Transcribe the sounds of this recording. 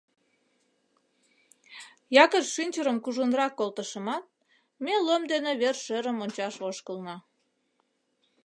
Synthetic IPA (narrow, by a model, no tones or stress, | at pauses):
jɑkəʃʃynʲt͡ɕəɾəmkuʒunrɑkːolt̪əʃəmɑt̪̚ | melomd̪eneβerʃeɾəmonʲt͡ɕɑʃoʃkəlnɑ